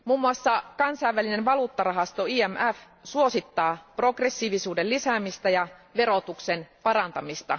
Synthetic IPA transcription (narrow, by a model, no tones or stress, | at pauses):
muːmːuɑsːɑkɑnsɑjʋːælinenʋɑluːt̪ːɑrɑɦɑst̪o̞iːæmʔæf | suo̞sit̪ːɑːpro̞kre̞sːiʋisuːdelisæmist̪æjɑʋe̞ɾot̪ukse̞npɑɾɑnt̪ɑmist̪ɑ̰